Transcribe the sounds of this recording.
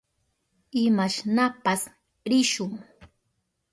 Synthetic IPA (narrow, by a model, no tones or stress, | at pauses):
ɪmaʃnapas | ɾɪʃʊŋ